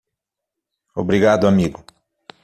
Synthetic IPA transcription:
obɾiɡad̪ʊamiɡʊ

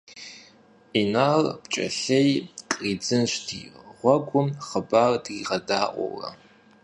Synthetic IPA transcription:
inarb̥t͡ʃʼɐ̰ɬejqʼrid͡zɨnʃʷdʰḭʁʷɔɡʷʼʊmχəbardiʁɐdaːʔʼʷo̰wrɐ̰

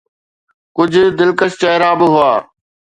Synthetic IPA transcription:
kʊd͡ʑʱʊ̆d̪ɪlkəʃt͡ɕɐɦɾaːbɪɦʊaː

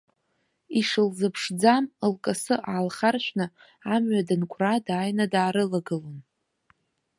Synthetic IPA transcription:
iʂɨlzɨpʰʂd͡zaməlkʼasɨʔaːlχarʃʷᶣnɨ | amɥadɨnkʷʼradaːjnadaːɾɨlaɡɨlon

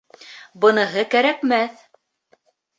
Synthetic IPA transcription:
bɤ̆nɤ̆ɦɤkæɾækmæθ

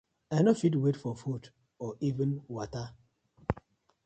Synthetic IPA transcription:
anɔfitwetfɔfud | ɔʔivɪ̃nwata

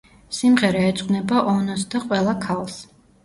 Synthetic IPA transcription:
simʁɛɾaːt̪sʼqʼnɛbaʔɔnɔsd̪aqʼwɛlˠakʰalˠs

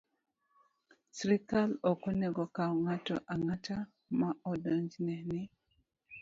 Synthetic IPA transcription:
sɾikalɔkɔnɛɡɔkawɔŋatɔ̰ʔaŋata | maɔdɔɲd͡ʒnɛnɪ

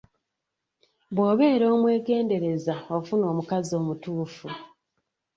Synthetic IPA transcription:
βwo̞ːβe̞ːɾo̞ːmwe̞ːɡe̞ːnde̞ɾe̞zaofuno̞ːmukazio̞ːmutuːfu

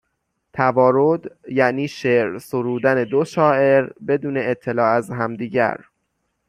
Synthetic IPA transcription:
t̪ʰævɒːɾod̪jæniːʃeɾsoɾuːd̪æne̞d̪oʃɒːʔe̞ɾbe̞d̪uːne̞ːt̪ʰːe̞lɒːæzɦæmd̪iːɟæ̰ɾ

